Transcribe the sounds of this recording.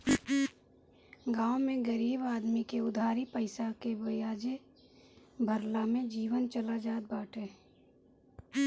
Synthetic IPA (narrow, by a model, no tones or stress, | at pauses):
ɡaːwmẽɡəɾiːbaːd̪mikeʊd̪ʱaːɾipəɪsakeʋəjaːd͡ʒe | bʱəɾlamẽd͡ʒiːʋənt͡ʃəlad͡ʒaːd̪̚baːʈʰeː